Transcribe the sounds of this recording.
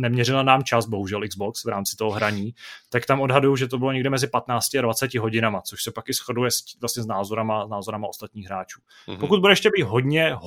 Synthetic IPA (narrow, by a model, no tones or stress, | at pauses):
nɛmɲɛrɪlanaːmt͡ʃazbo̞ɦuʒɛlʔɪɡzboksvɾaːmt͡sɪ̥t̪oɦoɦɾaɲiːt̪akt̪amo̞dɦadujuʒɛt̪obɪlo̞ɲɛɡdɛmɛzɪpat̪naːt͡scɪadvat͡sɛcɪɦo̞ɟɪnamat͡so̞ʃsɛpakɪsxodujɛsvlast̪ɲɛznaːzo̞ɾamaznaːzo̞ɾamao̞st̪at̪ɲiːɣɦɾaːt͡ʃuː | pokut̪̚budɛɛʃcɛbiːt̪ɦo̞dɲɛɦ